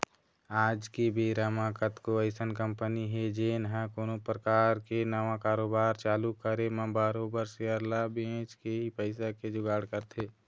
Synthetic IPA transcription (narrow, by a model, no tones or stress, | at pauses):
aːd͡ʒkebeːɾaːmaːkət̪koəɪsənkə̃mpəniɦɛd͡ʒeːnɦãkoːnopɾəkaːɾkenaʋãkaːɾoːbaːɾt͡ʃaːlukəɾemə̃baːɾoːbəɾseəɾlabẽːt͡ʃkeɦipəɪsaked͡ʒʊɡaːɽkəɾt̪ʰeː